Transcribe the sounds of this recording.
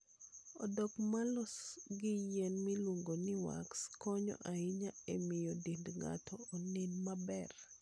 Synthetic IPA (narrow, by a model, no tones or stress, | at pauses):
ɔdɔkmalɔsɡɪjɛnmɪlwoŋɡonɪwa̰kskɔɲɔ̰ʔaɪɲaemɪjodindŋa̰tʰɔːnɪnmabɛr